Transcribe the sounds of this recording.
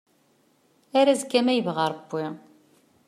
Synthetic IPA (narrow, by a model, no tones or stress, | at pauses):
æɾæzkːæmæjəvʁɑɾˤbːi